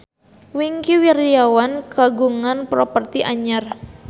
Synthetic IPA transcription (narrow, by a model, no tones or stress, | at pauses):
wiŋkiwirijawankaɡuŋanpɾopərt̪iʔaɲar